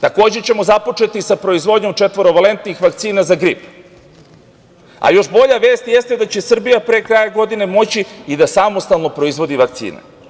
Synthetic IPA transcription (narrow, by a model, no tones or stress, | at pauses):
t̪ako̞ːd͡ʑe̞t͡ɕe̞mo̞zapo̞t͡ʂe̞t̪isapɾo̞izʋo̞d̪ɲo̞mt͡ʃet̪ʋo̞ɾo̞ʋale̞nt̪nixʋakt̪siːnazaɡɾḭp | a̰jo̞ʃbo̞ʎaʋe̞ːst̪jest̪e̞d̪at͡ɕe̞sr̩bijapɾeːkɾajaɡo̞d̪ine̞mo̞t͡ɕiːd̪asamo̞st̪alˠno̞pɾo̞izʋo̞d̪iʋakt̪sḭːnḛ